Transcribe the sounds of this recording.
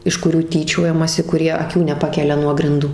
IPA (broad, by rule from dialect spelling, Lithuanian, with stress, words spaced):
ɪʃ kʊˈrʲuː ˈtʲiːt͡ʃʲoːjɛmɐsʲɪ kʊˈrʲiɛ ɐˈkʲuː nʲɛˈpɑːkʲɛlʲɛ nuɔ ɡrʲɪnˈduː